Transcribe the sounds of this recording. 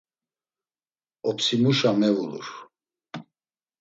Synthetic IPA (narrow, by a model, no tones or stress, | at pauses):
ɔpsimuʃamɛvulṵɾ